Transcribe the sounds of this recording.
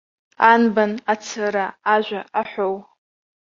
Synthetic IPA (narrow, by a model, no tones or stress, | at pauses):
anbanat͡sʰaɾaːʒᶣʷaaħʷow